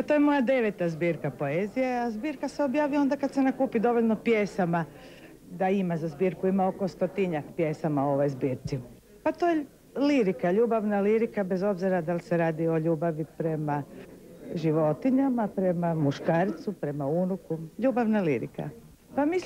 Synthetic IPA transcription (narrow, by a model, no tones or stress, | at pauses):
at̪ojemo̞jad̪e̞ʋet̪azbiːɾkapo̞ezijeazbiːɾkaseobjaːʋio̞nd̪akad̪se̞nakuːpid̪o̞ʋo̞ʎʲno̞pjesama | d̪aimazazbiːɾkuimao̞ko̞st̪ot̪iɲakpjesamaoo̞ʋo̞jzbiːɾt̪si | pat̪o̞je | liɾikaʎuːbaʋnaliɾikabe̞zo̞bziɾad̪alseɾaːd̪io̞ʎuːbaʋipɾe̞ma | ʒiʋo̞t̪iɲamapɾe̞mamuʃkaːɾt̪supɾe̞maunukuʎuːbaʋnalḭɾḭka̰ | pamis